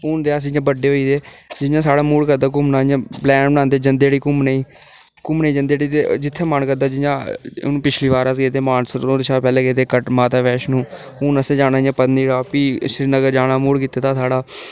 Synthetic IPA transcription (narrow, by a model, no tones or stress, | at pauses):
uːnd̪eːaːs̬ĩd͡ʒãːbəɖeːɦoːiːt̪eːd͡ʒɪjãːsaːɽaːmuːɽkəɾd̪aːk̬ʊmnaːjãːblɛːnbənãːnd̪eːd͡ʒənd̪eːɽiːkʊmneĩː | kʊmneĩːd͡ʒənd̪eːɽiːt̪ed͡ʒɪt̪ʰːeːmənkəɾd̪aːd͡ʒɪjãːnũːpɪt͡ʃʰliːʋaːɾaskeːt̪eːmaːnsəɾoːd̪ɪʃaːpɛːleːkeːt̪eːkəʈmaːt̪aːʋɛːʃnũː | uːnəsẽːd͡ʒaːnaːjãːpəd̪niːɾaːpiːsɾiːnəɡəɾd͡ʒaːnaːmuːɽkiːt̪eːt̪aːsaːɽaː